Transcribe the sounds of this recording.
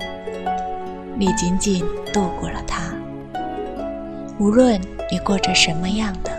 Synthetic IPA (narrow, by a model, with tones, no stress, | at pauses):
ni˨˩t͡ɕi˧˥nt͡ɕi˨˩nt̪wɔ˥˧kwɔ˥˩lə˩t̪ʰa˥ | u˧˥lwə˥˧ni˨˩kwɔ˥˩ʈ͡ʂə˨˩ʂə˧˥nmə˧jɑ˥˩ŋd̪ə˩